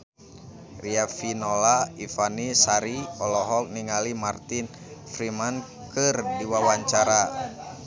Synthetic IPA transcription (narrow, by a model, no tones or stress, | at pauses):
riafinɔlaifanisaɾiɔlɔɦɔk̚niŋalimart̪in | fɾiman | kɨrdiwawaɲt͡ʃaɾa